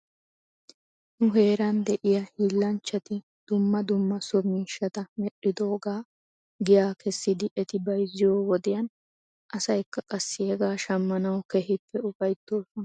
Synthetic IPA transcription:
nʊɦe̞ːɾɐnd̪ɛʔɪjɐhiːlːɐnt͡ʃːɐt̪ɪ | d̪̥ʊmːɐd̪ʊmːɐsɔmiːʃːɐt̪ɐmɛɗɪd̪o̞ːɡaː | ɡɪjaːkɛsːɪd̪ɪʔɛt̪ɪbɐjzɪjo̞ːwɔd̪ɪjɐn | ʔɐsɐjkːɐkʼɐsːɪhɛɡaːʃɐmːɐnɐwkɛhɪpːɛʊfɐjt̪ːo̞ːsɔnɐ

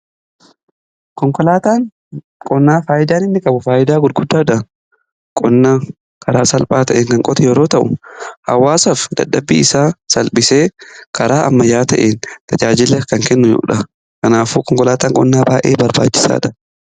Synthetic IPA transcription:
kɔŋkʼɔlaːt̪aːŋ | kʼɔnːaːfaːjɪd̪aːnɪnːɪkʼɐbʊfaːjɪd̪aːɡʊd̪ɡʊd̪ːaːᶑɐ | kʼɔnːaː | kʰɐɾaːsɐlpʼaːt̪ɐʔeːŋkɐŋkʼɔt̪ʰɛjɛɾoːt̪ɐʔʊ̰hɐ̰wːaːsɐfd̪ɐ̰dːɐbːiːɪsaːsɐlpʼɪseːkʰɐɾaːʔɐ̰mːɐjːaːt̪ɐʔeːnt̪ɐd͡ʒaːd͡ʒɪlːɛkɐŋkɛnːʊjṵːᶑɐ | kɐnaːfuːkɔŋkɔlaːt̪aːŋkʼɔnːaːbaːʔeːbɐɾba̰ːt͡ʃːɪ̥sa̰ːᶑɐ

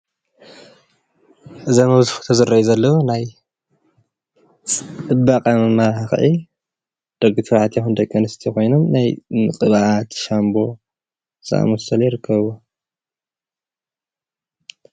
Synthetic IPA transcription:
ʔɨzɐmɐβzuxu̥t̪ʰɐzɨɾɐjizɐlːɐwunaj | t͡sʼɨbaqʼɐɨmɐɾħaxɨ̰ʕi | d̪̥ɐɡut̪ʰɐβaʕat̪ʰjɐxund̪ɐkʼːɐnɨst̪ʰiko̞jnomnajnɨkʼɨβaʔat̪ʃambo̞ | za̰ʔa̰mɐsɐljɪɾɨkʰːɐβɨβo

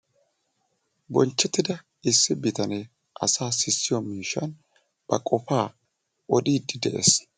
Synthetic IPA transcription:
bɔnt͡ʃːɛt̪ːɪd̪ɐ | ɪsːɪbɪt̪ɐne | ʔɐ̰saːsɪsːɪjɔmiːʃːɐn | b̥ɐkʼɔfaː | ɔd̪iːd̪ɪd̪ɛʔɛ̰s

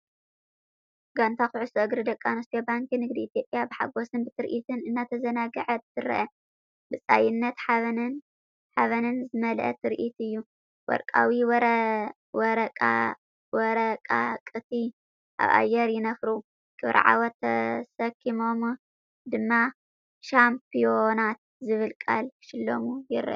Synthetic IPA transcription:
ɡant̪ʰaxɨʕʊsoʔɨɡɾɨd̪ɐkʼːanɐst̪ʰijobaŋkɨinɨɡd̪iːt̪ʰjo̞pʼjabɨħa̰ɡo̞sɨnbɨt̪ʰɨɾʔit̪ʰɨnɨnːat̪ʰɐzɐnaɡɐʕɐt̪ʰɨɾɐ̰ʔɐ | bɨt͡sʼa̰jɪnːɐt̪ħaβɐnn | ħaβɐnɨnzɨmɐlʔɐ̰t̪ʰɨɾʔit̪ɨjːu | wɔ̰ɾkʼa̰wiwɾ | wɔɾɐkʼa̰ | wɔɾɐkʼakʼɨt̪ʰi | ʔa̰βa̰jɛɾjɪnɐfɾu | kʰɨβɾʔʕa̰wɐt̪ʰːɐsɐkʰːimo̞m | d̪ɨmːa | ʃampʰijo̞nat̪̚ | zɨβɨlkʼa̰lʃɪlːomujɪɾʔ

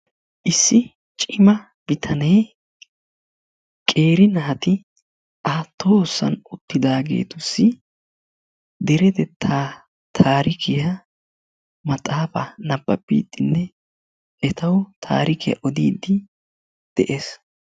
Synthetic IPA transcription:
ʔɪsːɪ | t͡ʃʼɪmɐ | bɪt̪ʰɐnɛj | kʼe̞ːɾɪnɐhɐt̪ɪ | ʔaːt̪ʰːoːsːɐ̰nʊt̪ːɪd̪aːɡe̞̰ːt̪ʊsːɪ | d̪ɛɾɛd̪ɛt̪ʰːa | t̪ʰaːɾɪkʰɪjɐ | mɐt̪ʼaːfɐnɐbːɐ̰bːḭːd̪ːɪnːɛ | ʔɛt̪ɐwt̪ʰa̰ːɾɪkʰɪjɐ̰ʔɔd̪iːd̪ɪ | d̪̥ɛʔeːs

